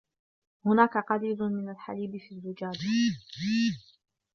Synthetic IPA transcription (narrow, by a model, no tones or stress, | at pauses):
hʊnaːkaqɑɾiːlmɪnalħa̰liːbɪfiːrːɪd͡ʒaːd͡ʒ